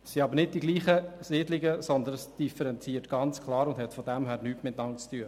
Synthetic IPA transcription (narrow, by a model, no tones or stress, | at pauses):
sːiɑbəɾnɪd̚d̥iɡliːχəsɪːdlɪɡəsɔnd̪ənsd̥ifəɾɛnt͡siːtɡ̥ɑnt͡skʰlɑːɾʊndɦɛtfɔdæmɦæːɾnyːtmɪtnɑŋt͡styːə